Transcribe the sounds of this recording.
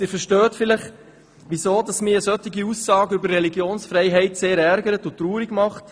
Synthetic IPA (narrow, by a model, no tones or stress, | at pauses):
ɪːfəɾʃtœːtfɪləχ | ʋisoːdɑsmɪːɾəsœtːiɡiusːɑːɡəʏbəɾrːɛliɡjoːnsfɾɛɪɦɛɪtseːɾæɾɡəɾətʊtːɾuːɾiɡmɑχt